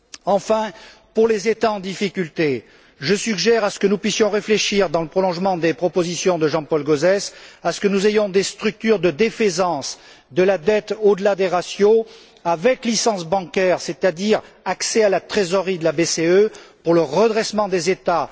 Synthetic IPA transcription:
ɑ̃fɛ̃ | puʁlezet̪aɑ̃d̪ifikʲylt̪e | ʒəsyɡʒɛʁasə̥kənupɥisjɔ̃ʁefleʃiʁd̪ɑ̃ləpχɔlɔ̃ʒmɑ̃d̪epχɔpozisjɔ̃d̪əʒɑ̃pɔlɡozɛsasə̥kənuzejɔ̃d̪est̪χyk̚t̪yʁd̪əd̪efezɑ̃s | d̪əlad̪ɛt̪od̪əlad̪eʁasjo | avɛklisɑ̃sbɑ̃kɛʁset̪ad̪iʁ | aksɛalat̪χezɔʁid̪əlabeseøpuʁləʁəd̪ʁɛsmɑ̃d̪ezet̪a

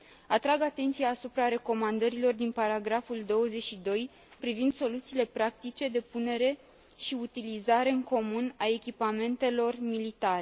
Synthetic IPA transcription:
at̪ɾaɡat̪e̞nt̪sijaːsupɾaɾe̞ko̞mand̪əɾilo̞rd̪inpaɾaɡɾafuld̪o̞wəze̞t͡ʃʲʃid̪o̞j | pɾivind̪so̞lut̪siːle̞pɾak̚t̪it͡ʃe̞d̪e̞pune̞ɾe̞ | ʃiut̪ilizaɾe̞ɨŋko̞munae̞kʲipame̞nt̪e̞lo̞rmilit̪aɾe

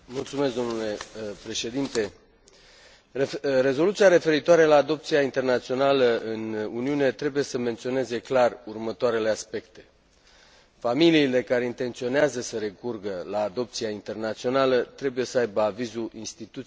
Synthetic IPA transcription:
mult̪sume̞sd̪o̞mnule̞pɾe̞ʃe̞d̪int̪e̞ | re̞zo̞lut̪siaɾe̞fe̞ɾit̪oaɾe̞laːd̪o̞p̚t̪siaint̪e̞rnat̪sio̞naləɨnuniune̞t̪ɾe̞buje̞səme̞nt̪sio̞ne̞ze̞klarurmət̪oaɾe̞le̞aspe̞kt̪e̞ | familiːle̞kaɾeint̪e̞nt̪sio̞neazəsəɾe̞kurɡəlaːd̪o̞p̚t̪siaint̪e̞rnat̪sio̞nalət̪ɾe̞buje̞səajbəavizuʔinst̪it̪ut̪

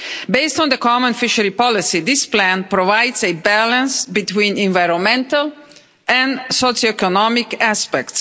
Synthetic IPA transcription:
beɪstɔ̃nd̪əkɔmə̃nfɪʃəɾipɔlɪsiðɪsplæ̃npɾovajdzebælə̃nsbit̪wĩnɛ̃nvajɾɔ̃nmɛ̃nt̪əl | ʔɛ̃nsosoɛkɔnɔmɪkæspɛkts

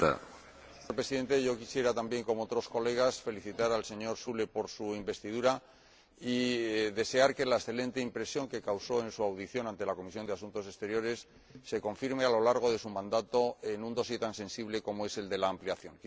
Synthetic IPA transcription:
a̰ | oɾpɾe̞siðe̞nt̪e̞ʝo̞kisje̞ɾat̪ambje̞ŋko̞moot̪ɾo̞sko̞le̞ɣ̞asfe̞liθit̪aɾalse̞ɲo̞ɾsule̞po̞ɾsuimbe̞st̪ið̞uɾa | iðe̞se̞aɾke̞laesθe̞lẽ̞nt̪e̞impɾe̞sjo̞ŋke̞kawso̞e̞nsuawðiθjo̞nãnt̪e̞lako̞misjo̞nd̪asunt̪o̞se̞st̪eɾjo̞ɾe̞sː | e̞ko̞ɱfiɾme̞alo̞laɾɣ̞o̞ðe̞sumãnd̪at̪o̞e̞nũnd̪o̞sjet̪ansẽ̞nsiβle̞ko̞moe̞se̞ld̪e̞laːmpliaθjo̞ŋk

